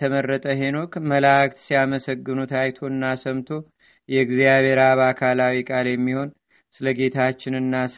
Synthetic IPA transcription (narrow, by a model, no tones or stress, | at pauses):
əmərːət̪ʼəɦe̞no̞kməlak̚t̪sijaməsəɡːɨnut̪ʰajt̪ʰo̞ɨnːasəmt̪ʰo̞ | jɛɡzijaβʱe̞ɾaβakʰalawikʼaljɛmːiho̞n | sɨləɡe̞t̪ʰat͡ʃːɪnɨnːas